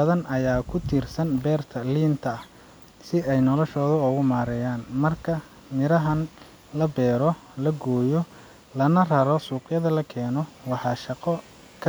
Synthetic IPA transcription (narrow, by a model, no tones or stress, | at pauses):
ɐðɐnʔɐjaːkʰʊt̪ʰiːrsɐnbɛːrt̪ʰɐliːnt̪ʰɐh | sɪɛjnɔlɔʃɔːðʊʊɣʊmaːɾɛjaːnmɐrkʰɐ | mɪɾɐɦɐn | lɐbɛːɾɔ | lɐɡɔːjɔ | lɐnɐrɐɾɔsuːqjɐðɐlɐkʰɛːnɔwɑħɑːʃɐqɔ | kʰɐ